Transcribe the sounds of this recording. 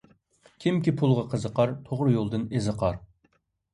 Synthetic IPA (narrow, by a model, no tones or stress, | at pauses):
kʲʰimkʲipʰulˠʁɑqʰəzəqɑɾt̪ʰoʁɾjolˠd̪ɨnezəqʰɑɾ